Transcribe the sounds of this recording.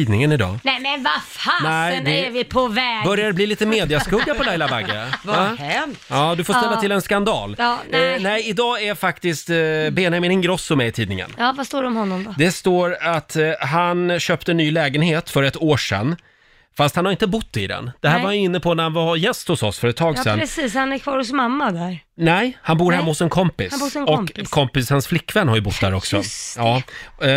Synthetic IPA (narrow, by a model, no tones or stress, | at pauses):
iːd̪nɪŋənɪd̪ɑ̰ːnɛmɛnvafanɛɪd̪ɛvɪpʰɔvɛːbœɾjad̪ɛbliːliːt̪əmeːd̪ɪaskɵɡːapʰɔlajlavaɡavahɛɑːd̪ɵfoːɾst̪ɛlːat̪ʰɪlɛnskand̪ɑ̰ːlnɛɪɪd̪ɑːæɾjfakt̪ɪst̪beːnɛmeːnɪŋɡɾɔsːɔmɛjɪt̪ʰiːd̪nɪ̰ŋə̰nɑːvast̪oːɖɛɔmhɔnːɔmd̪ɔd̪ɛst̪oːɾat̪ɦanɕøːpt̪ənyːlɛːɡənheːt̪fœɾɛt̪oːʂɛ̰nː | fast̪hanhaɾɪnt̪əbʊt̪ʰːɪd̪ɛ̰nd̪̥ɛɦæːɾvaɾhajɵɪnːəpʰɔnæɾhanvajɛst̪hʊsɔsfœɾət̪ʰːɑːɡssɛnsiːshanæɾkʰvɑːɾhʊsmamːad̪æɾnɛjhanbuːɾhɛmːahʊsɛnkʰɔmpɪsɔkkʰɔmpɪsənsflɪkːvɛnːhaɾjɵbʊt̪ːd̪æ̰ːɾɔksɔ̰ɑː